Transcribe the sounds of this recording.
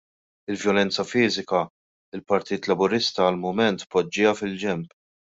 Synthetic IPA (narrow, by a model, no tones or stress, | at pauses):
ɪlvjɔlɛnt͡sɐfiːzɪkɐ | ɪlpɐɾt̪iːt̪lɐbʊɾɪst̪ɐːlmʊmɛnt̪pːɔd͡ʒːɪjɐfɪld͡ʒɛmp